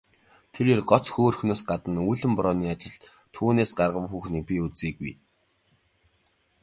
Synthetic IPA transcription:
t̪ʰeɾeːrɢɔt͡sxoːrxunoːsɢat̪ə̆nujɮɘ̆mpɔɾɔːniːat͡ɕɪ̆ɮt̪ | t̪ʰuːneːsɢarʁə̆wxuːxniːk̚pʲiut͡siːɡuj

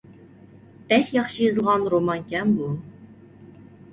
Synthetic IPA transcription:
b̥ɛxjɑχʃɨjɨzɨlˠʁɑnɾomɑŋkʲɛmbu

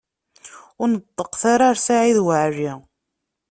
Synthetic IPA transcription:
ʊɾnəd̪ˤːəqθaɾaɾsaʕiðwaʕʒi

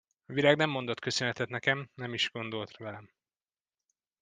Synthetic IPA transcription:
ɒviɾaːɡnɛmːo̞nd̪o̞t̪kø̞sønɛt̪ɛt̪nɛkɛmnɛmiʒɡ̥o̞nd̪o̞lt̪vɛlɛm

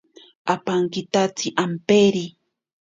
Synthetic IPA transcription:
apaŋkit̪at͡siʔampeɾi

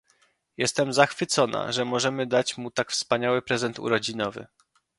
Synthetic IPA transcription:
jɛst̪ɛmzaxfɘt̪sɔna̰ʐɛmɔʐɛmɘd̪at͡ɕmut̪akfspaɲawɘpɾɛzɛnt̪ṵɾɔd͡ʑinɔvɘ̰

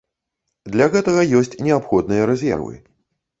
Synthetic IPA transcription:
d̪lʲɐɣɛt̪ɐɣɐjɔsʲt͡sʲnʲɛapxɔd̪nɨjɐɾɛzʲɛ̰rvɨ̰

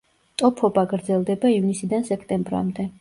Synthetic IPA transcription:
t̪ʼɔpʰɔbaɡɾd̪zɛlˠd̪ɛbaivnisid̪ansɛkʰt̪ʼɛmbɾa̰md̪ɛ

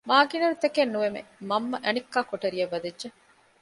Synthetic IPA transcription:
maːɡinɐɾut̪ekenːuʋemḛmɐmːɐʔɐnikːaːkoʈɐɾiɐʋːɐd̪ɐʒe

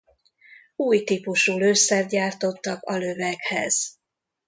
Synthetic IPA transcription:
uːjt̪iːpuʃuːløːsɛrd̪ɟaːrt̪o̞t̪ːɒkɒlø̞vɛkhɛ̰z̥

